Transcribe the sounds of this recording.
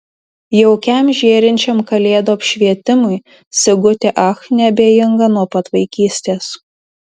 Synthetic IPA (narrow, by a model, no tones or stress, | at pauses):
jɛʊkʲɛmʒʲeːɾʲɪnʲt͡ʃʲɛmkɐlʲeːd̪oːɐpʲʃʲʋʲiɛt̪ʲɪmʊɪ | sʲɪɡʊt̪ʲɪʔɐxnʲɛbʲeːjɪŋɡɐnuɔpɐt̪ʋɐɪkʲiːsʲt̪ʲeːs